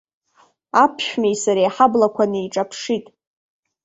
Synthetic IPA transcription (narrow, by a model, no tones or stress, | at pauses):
apʰʃᶣmejsaɾejħablakʷʰanɨiʈ͡ʂʼapʰʂitʼ